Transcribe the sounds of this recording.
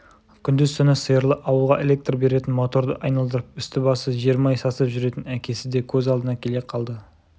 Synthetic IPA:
kʲʰʏnd̪ɪzt̪ʏnɪsəjəɾlˠəʔɑwəlˠʁɑʔe̞lʲe̞k̚t̪rbe̞ɾe̞t̪ɪnmo̞t̪o̞ɾd̪əʔɑjnɑlˠd̪əɾəp̚ʏst̪ɪbɑsəʒijəɾmɑjsɑsəpʒʏɾe̞t̪ɪnækʲe̞sɪd̪e̞kʲʰɵzɑlˠd̪ənɑkʲʰe̞le̞qʰɑlˠd̪ə

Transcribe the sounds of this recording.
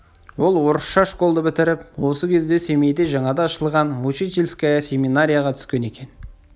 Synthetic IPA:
wo̞lˠwo̞ɾəsʃɑʃko̞lˠd̪əbɪt̪ɪɾɪpwo̞səkʲʰe̞zd̪e̞se̞mejd̪e̞ʒɑɴɑd̪ɑːʃəlˠʁɑnwut͡ʃit̪elʲskʲesʲe̞minaɾʲijaʁɑt̪ʰʏ̥skʲe̞ne̞kʲe̞n

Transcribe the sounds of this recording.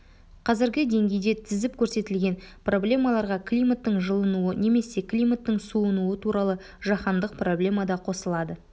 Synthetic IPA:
qʰɑzɪɾɡʲɪd̪e̞ŋɡʲe̞jd̪e̞t̪ʰɪzɪp̚kʲʰɵɾse̞t̪ɪlɡʲe̞npro̞blʲe̞mɑlˠɑɾʁɑklʲijmat̪ːəɴʒəlˠənuəne̞me̞se̞klʲijmat̪ːəɴsuənuət̪ʰuɾɑlˠə | ʒɑχɑnd̪əq̚pro̞blʲe̞mɑd̪ɑqʰo̞səlˠɑd̪ə

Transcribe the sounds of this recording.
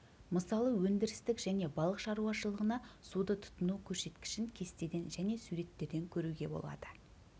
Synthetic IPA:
məsɑlˠəwɵnd̪ɪɾɪst̪ɪkʒæne̞bɑlˠəqʃɑɾuɑʃəlˠəʁənɑsud̪ət̪ʰʊ̥t̪ənukʲʰɵɾse̞t̪kʲɪ̥ʃɪŋkʲʰe̞st̪e̞d̪e̞nʒæne̞suɾe̞t̪ːe̞ɾd̪e̞ŋkʲʰɵɾuɡʲe̞bo̞̰lˠɑ̰d̪̥ə̥

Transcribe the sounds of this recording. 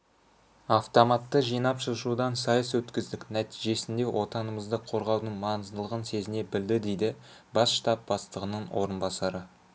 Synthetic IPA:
ɑft̪o̞mɑt̪ːəʒijnɑpʃəʃud̪ɑnsɑjəswɵt̪kʲɪzd̪ɪknæt̪ijʒe̞sɪnd̪e̞wʔo̞t̪ɑnəməzd̪əqʰo̞ɾʁɑwd̪əɴmɑnəzd̪əlˠəʁənse̞zɪne̞bɪld̪ɪd̪e̞jd̪ɪbɑsʃt̪ɑp̚b̥ɑst̪əʁənəɴwo̞̰ɾənbɑsɑɾə

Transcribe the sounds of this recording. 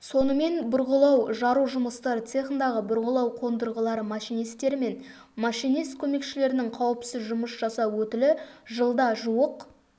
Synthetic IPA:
so̞nəme̞nbʊɾʁəlˠɑwʒɑɾuʒʊməst̪ɑɾət̪se̞χənd̪ɑʁəbʊɾʁəlˠɑwqʰo̞nd̪əɾʁəlˠɑɾəmɑʃijnijst̪e̞ɾɪme̞n | mɑʃijnist̪kʲʰɵme̞kʃɪle̞ɾɪnɪŋqʰɑwəpsɪzʒʊməsʒ̥ɑsɑwɵt̪ɪlɪʒəlˠd̪ɑʒuwəq

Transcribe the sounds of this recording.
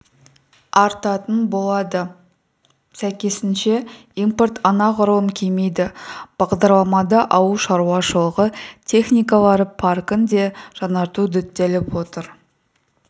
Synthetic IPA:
ɑɾt̪ɑt̪ənbo̞lˠɑd̪ə | sæjkʲe̞sɪnʃe̞ | import̪ʰɑnɑqʊɾəlˠəŋkʲʰejme̞jd̪ɪb̥ɑʁd̪ɑɾlˠɑmɑd̪ɑʔɑwəʃɑɾuwɑʃəlˠəʁət̪ʲʰe̞χnʲijkɑlˠɑɾəpʰɑrkənd̪e̞ʒ̥ɑnɑɾt̪ud̪ʏt̪ːe̞lɪpwo̞t̪əɾ

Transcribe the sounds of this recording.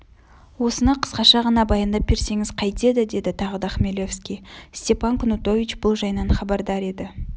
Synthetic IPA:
wo̞sənɑqʰə̥sqɑʃɑʁɑnɑbɑjɑnd̪ɑp̚be̞ɾse̞ŋɪz̥qʰɑjt̪e̞d̪ɪd̪e̞d̪ɪt̪ʰɑʁəd̪ɑχmelʲo̞fskʲijst̪ʲe̞pɑŋkʰʊnut̪o̞vʲit͡ʃb̥ʊlˠʒɑjnɑnχɑbɑɾd̪ɑɾe̞d̪ɪ

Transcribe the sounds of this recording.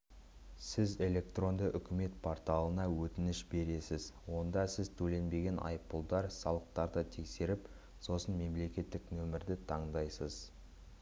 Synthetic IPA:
sɪze̞lʲe̞k̚t̪ro̞nd̪əʔʏkʲɪme̞t̪̚pʰo̞rt̪ɑlˠənɑwɵt̪ɪnɪʃbe̞ɾe̞sɪzwo̞nd̪ɑsɪzt̪ʰɵle̞nbe̞ɡʲe̞nʔɑ̰jpːəlˠd̪ɑɾsɑlˠəq̚t̪ɑɾd̪ət̪ʰe̞kse̞ɾɪp | so̞sənme̞mle̞kʲe̞t̪ːɪknɵmɪɾd̪ɪt̪ʰɑɴd̪ɑjsəz̥

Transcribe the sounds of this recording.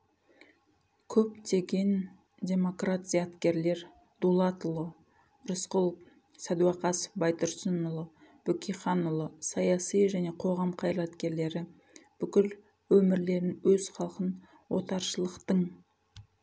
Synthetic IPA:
kʲʰɵp̚t̪e̞ɡʲe̞n | dʲe̞mo̞krat̪ʲijat̪kʲe̞ɾle̞ɾ | d̪̥ulˠɑt̪ʊlˠə | ɾʊsqʊlˠ | sæd̪uɑqɑsə̥fbɑjt̪ʊɾsənʊlˠə | b̥ɵkʲʰiχɑnʊlˠəsɑjɑsijʒæne̞qʰo̞ʁɑmqʰɑjlˠɑt̪kʲe̞ɾle̞ɾɪ | b̥ʏkʲɪl | wɵmɪɾle̞ɾɪnwɵz̥χɑlˠqən | wo̞t̪ɑɾʃəlˠəqt̪əɴ

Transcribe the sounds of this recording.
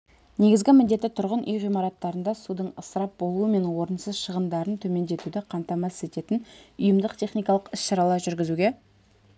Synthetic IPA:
ne̞ɡʲɪzɡʲɪmɪnd̪et̪ːɪt̪ʰʊɾʁənʔʏjʁijmɑɾɑt̪ːɑɾənd̪ɑsud̪əɴəsəɾɑp̚bo̞lˠuəme̞nwo̞ɾənsəzʃəʁənd̪ɑɾənt̪ʰɵme̞nd̪e̞t̪ud̪ɪqʰɑnt̪ɑmɑse̞t̪e̞t̪ɪnʊjəmd̪əqt̪ʲʰe̞χnijkɑlˠəqɪsʃɑɾɑlˠɑɾʒʏɾɡʲɪzuɡʲe̞

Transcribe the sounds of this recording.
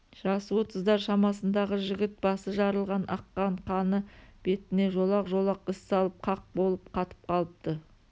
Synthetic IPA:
ʒ̥ɑswo̞t̪əzd̪ɑɾʃɑmɑsənd̪ɑʁəʒɪɡʲɪt̪̚bɑsəʒɑɾəlˠʁɑnʔɑqːɑɴqʰɑnəb̥e̞t̪ɪne̞ʒo̞lˠɑqʒo̞lˠɑqɪsːɑlˠəp̚qʰɑq̚bo̞lˠəp̚qʰɑt̪ə̥p̚qʰɑlˠəp̚t̪ə

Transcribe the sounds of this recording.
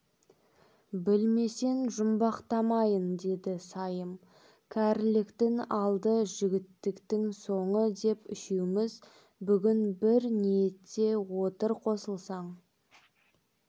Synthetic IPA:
bɪlme̞se̞nʒʊmbɑqt̪ɑmɑjənd̪e̞d̪ɪsɑjəm | kʲʰæɾlɪkt̪ɪŋɑlˠd̪əʒɪɡʲɪt̪ːɪkt̪ɪŋso̞ɴəd̪e̞pɪʃewmɪz | bʏɡʲɪnbɪɾnijet̪ːe̞wo̞t̪əɾqʰo̞səlˠsɑɴ

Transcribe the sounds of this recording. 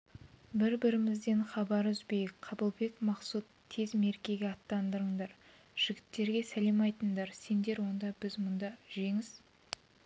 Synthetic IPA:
bɪɾbɪɾɪmɪzd̪e̞ɴχɑbɑɾʏzbe̞jɪkqʰɑbəlˠbe̞kmɑqsut̪ʰːe̞zme̞ɾkʲe̞ɡʲe̞ɑt̪ːɑnd̪əɾəɴd̪ɑɾ | ʒ̥ɪɡʲɪt̪ːe̞ɾɡʲe̞sæle̞mɑjt̪əɴd̪ɑɾse̞nd̪e̞ɾwo̞nd̪ɑbɪzmʊnd̪ɑʒe̞ŋɪz̥

